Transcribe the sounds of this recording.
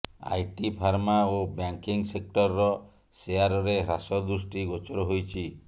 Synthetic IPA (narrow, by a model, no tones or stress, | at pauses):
a̰jʈipʰaɾmaobjaŋkiŋsek̚ʈɔɾːɔ | seaɾɔɾeɦɾasɔd̪ɾusʈiɡot͡ʃɔɾɔɦojt͡ʃʰi